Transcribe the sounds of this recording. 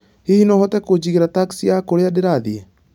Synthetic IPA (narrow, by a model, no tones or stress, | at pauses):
hihinɔhɔtɛkod͡ʑiɣeɾataksiakoɾeadeɾaðiɛ